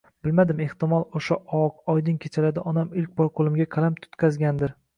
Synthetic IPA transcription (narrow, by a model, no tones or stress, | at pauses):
b̥ɪlmad̪ɪme̞ht̪ɪmɒlˠoʃaʔɒqɒjd̪ɪŋkʲʰet͡ʃʰalad̪ɪʔɒnamɪlkʲbɒɾqʰolˠɪmɡʲaqʰɑlamt̪ʰʊ̥t̪kʲʰazɡʲand̪ɪɾ